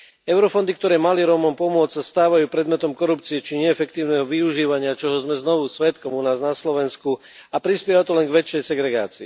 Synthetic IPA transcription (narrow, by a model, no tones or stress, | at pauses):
ɛʊɾɔfɔnd̪ik̚t̪ɔɾɛːmaliɾɔmɔmpɔmʊɔt͡ssast̪aːʋajuːpɾɛd̪mɛt̪ɔmkɔɾupt͡siɛt͡ʃiɲɛːfɛkt̪iːʊnɛɦɔʋiuʒiːʋaɲɪat͡ʃɔɦɔzmɛznɔʋusʋɛt̪kɔmunaːznaslɔʋɛnsku | apɾispjɛʋat̪ɔlɛnɡʋɛt͡ʃːɛjsɛɡɾɛɡa̰ːt͡siː